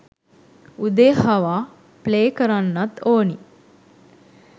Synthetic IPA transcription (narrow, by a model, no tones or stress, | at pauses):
ud̪eːhaʋaː | pleːkəɾanːat̪oːni